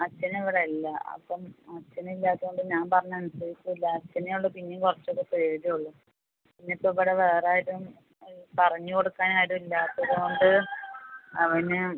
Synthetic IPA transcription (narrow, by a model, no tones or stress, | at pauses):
ɐt͡ɕːɐnɐiʋiɽeɐlːɐɐ̰pːɐmɐt͡ɕːɐnɨilːaːðɨɣoɳɖɨɲaːnpɐrɐɲːɐɐnusɐɾikʲːuilːɐɐt͡ɕːɐnejuɭːupinːekurɐt͡ɕːokːɐpeːðijuɭːu | pinːeɐpːoiʋiɽeʋeːraːjiɾum | pɐrɐɲːuko̞ɽukːaːnaːjɾumilːaːt̪ːɐðuɣo̞ɳɖɨ | ɐʋɐnɨ